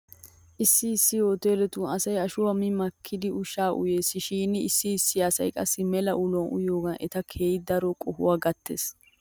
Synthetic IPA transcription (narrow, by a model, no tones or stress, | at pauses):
ʔɪsːɪːsːɪjo̞ːt̪eːɾɛt̪uːnɐsɐjɐʃʊwɐmɪmɐkʰːɪd̪ɪʊʃaːʔʊ̰jeːsɪʃiːnɪɪsːɪːsːɪɐsɐ̰jkʼɐsːɪmɛlɐʔʊlɔnʊ̰joːɡɐnʔɛ̰t̪ɐkʰe̞ːjd̪ɐɾɔkʼɔhʊ̰waːɡɐt̪ːḛːs